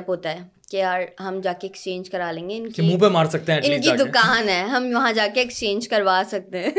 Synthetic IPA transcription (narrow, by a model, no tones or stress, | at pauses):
pɦoːt̪aɦɛ | kejaːɾɦɐmd͡ʒaːkeːkst͡ʃẽːnd͡ʒkɐɾaːlẽːŋɡeɪnkimũpemaːɾsɐk̚t̪eɦɛ̃ɪ̃kid̪ʊkaːnɦɛːɦɐmʋɐɦãd͡ʒaːkeːkst͡ʃẽːnd͡ʒkɐɾʋaːsɐk̚t̪eɦɛ̃